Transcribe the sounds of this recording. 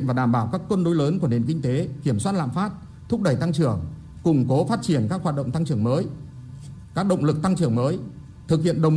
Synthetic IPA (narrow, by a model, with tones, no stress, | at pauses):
nvaː˨˩ɗaː˧˩mɓaː˧˩wkaː˦˥kːwə˧nɗo˨˦jləː˨˦nku˧˩əne˨˩nkï˧ŋ̟t̪e˨˦ki˧˩əmswaː˦˥t̚la̰ː˧˨mfaː˦˥t̚ | t̪ʰʊ˦˥k͡p̚ɗə˧˩jt̪a˧ŋt͡ɕɨ˧˩əŋ | kʊ˨˧˩ŋ͡mko˨˦faː˦˥t̚t͡ɕi˧˩ənkaː˦˥k̚hwaː˨˩t̚ɗə̰˧˨wŋ͡mt̪a˧ŋt͡ɕɨ˧˩əŋməː˨˦j | kaː˦˥k̚ɗə̰˧˨ŋ͡mlɨ˨˩k̚t̪a˧ŋt͡ɕɨ˧˩əŋməː˨˦j | t̪ʰɨ˨˩k̚hḭ˧ənɗə˨˩w